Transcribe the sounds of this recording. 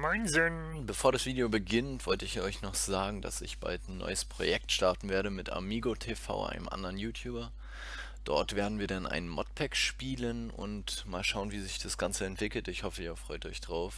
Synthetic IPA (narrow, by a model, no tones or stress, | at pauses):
maɪnzøːn | bəfoːɐɾasv̥iːdeobəɡɪntv̥ɔltəɪçɔʏçnɔχz̥aːɡŋ̩da̰sɪ̰çb̥a̰ltnːɔ̰ʏəspʁ̥o̰jɛk̚tʃtaɐtn̩veːɐɾəmɪtʔa̰ɐmiːɡotʰefa̰ʊʔa̰ɪnəmʔa̰ndəʁənjuːtʰjuːbɐ | d̥ɔ̰ɐtv̥eːɐdn̩viːɐdanʔa̰ɪnənmɔt̚pʰɛkʃpiːlənʊ̰ntmaːlʃaʊənviːzɪçd̥asɡ̥ant͡səɛntv̥ɪkl̩tɪçhɔfəiːɐfʁ̥ɔʏtɔ̰ʏçd̥ʁaʊf